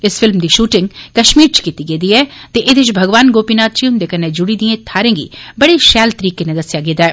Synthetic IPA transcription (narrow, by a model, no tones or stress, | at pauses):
ɪsfʰɪlmd̪iːʃuːʈɪŋɡkəʃmiːɾt͡ʃkiːt̪iɡeːd̪iːɛːt̪eːʔɪd̪ɪt͡ʃbʱəɡʋaːnɡoːpiːnaːt̪̚t͡ʃiʊnd̪eːkəɾnːeːd͡ʒʊɽiːd̪iẽːt̪ʰaːɾẽːɡḭːbəɽeːʃɛːlt̪əɾiːkenẽd̪əsɪjaːɡeːd̪aːɛː